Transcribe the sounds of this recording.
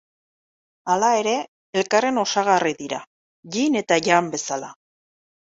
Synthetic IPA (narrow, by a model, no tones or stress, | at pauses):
alae̞ɾe̞ | elkare̞no̞saɣ̞ariðiɾa̰ | ʝine̞t̪aʝambe̞sala